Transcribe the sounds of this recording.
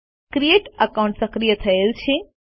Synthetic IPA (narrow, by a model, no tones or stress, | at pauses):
kɾieʈəkawũɳʈsəkɾijət̪ʰəelt͡ʃʰe